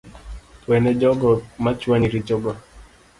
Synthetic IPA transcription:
twɛnɛd͡ʒɔɡɔmat͡ʃwaniɾid͡ʒɔɡɔ

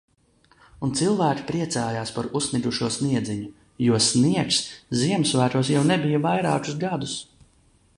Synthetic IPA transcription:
unt̪silˠvæːkʲi̥pɾiɛt̪saːjaːspaɾussniɡ̪uʃuɔsniɛd̪ziɲu | juɔsniɛksziɛmsvæːɾuɔs̬jawnɛbijɐvajɾaːkusɡad̪us

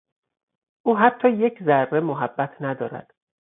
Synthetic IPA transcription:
ʔuːɦæt̪ʰːɒːje̞cʰzærːe̞moɦæbːæt̪ʰnæd̪ɒːɾæ̰d̪̥

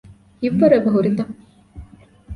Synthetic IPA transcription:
iʋːɐɾɐʋɐɦuɾit̪ɐ

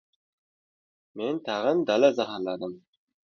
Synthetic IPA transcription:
ment̪ʰɑʁənd̪ɑlˠəzɑɦɑnlˠɑd̪əm

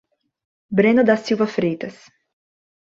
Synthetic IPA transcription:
bɾenɐd̪ɐsːiwvɐfɾejt̪ɐs

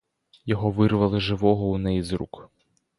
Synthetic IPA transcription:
jɔɦɔʋɪrʋɐlˠɪʒɪʋɔɦɔunɛjizɾṵk

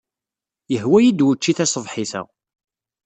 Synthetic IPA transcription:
jəhwæjid̪wət͡ʃːiθæsˤəvħiθæ̰

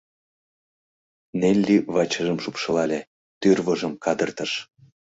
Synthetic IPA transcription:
nelʲːiβɑt͡ɕəʒəmʃupʃɤlɑlʲe | t̪yrβɤʒə̆mkɑd̪ərt̪əʃ

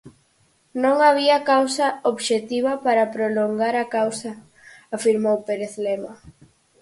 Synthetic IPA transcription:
nõŋaβ̞iɐkawsɐoβʃet̪iβɐpaɾɐpɾoloŋɡaɾɐkawsɐː | fiɾmowpeɾeθlema

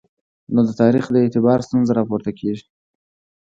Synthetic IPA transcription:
nod̪ət̪ɑɾixd̪əet̪ɪbɑɾst̪unzaɾɑpoɾt̪akʰeʒi̥

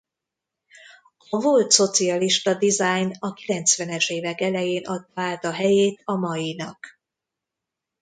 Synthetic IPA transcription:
ɒvo̞lt̪so̞t̪siɒliʃt̪ɒd̪izajnɒkilɛnt̪sʋɛnɛʃeːvɛkɛlɛjeːnʔɒt̪ːaːt̪ɒɦɛjeːt̪ɒmɒjinɒk

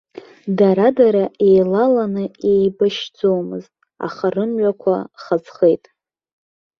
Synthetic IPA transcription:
daɾadaɾaʔe̞jlalanɨe̞jbaʃd͡zomɨ̰ztʼ | a̰χarɨmɥakʷʰa̰χad͡zχe̞jtʼ

